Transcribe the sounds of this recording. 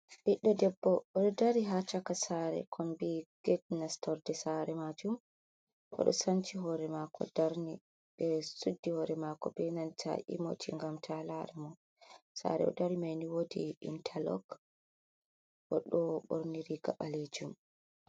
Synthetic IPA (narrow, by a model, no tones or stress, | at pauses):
ʔiɗːɔdɛbːɔɔɗɔdaɾiɦat͡ʃakasaɾɛ̰kʰɔmbiɡ̥ɛtnastɔɾdɛsaɾɛmad͡ʒum | ʔɔ̰ɗɔ̰sant͡ʃiɦɔɾɛmakʰɔ̰daɾni | ɓɛsudːihɔɾɛmakɔbɛnantʰa̰ʔḭmotʰiŋɡamtʰalaɾɛmɔ | sa̰ɾɛ̰ɔ̰daɾimajniwodḭːntʰalɔ̰ɡ | ʔɔɗɔɓo̰ɾniɾiɡa̰ɓaled͡ʒum